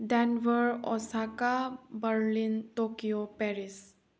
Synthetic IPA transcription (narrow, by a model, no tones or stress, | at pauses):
ɖɛnʋəɾɔsakabəɾlintokijopɛɾis